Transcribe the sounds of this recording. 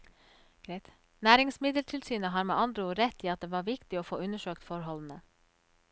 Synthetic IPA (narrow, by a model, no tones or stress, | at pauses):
ɡ̥ɾet̪ | næːɾɪŋsmɪd̪əlʈʰɪlsyːnəɦɑːɾmḛːʔɑnd̪ɾəoːɾɛt̪iːɑt̪̚d̪eːʋɑːɾʋɪkt̪ɪoːfo̰ːʉnəʃøːkt̪fɔɾɦɔln̩ə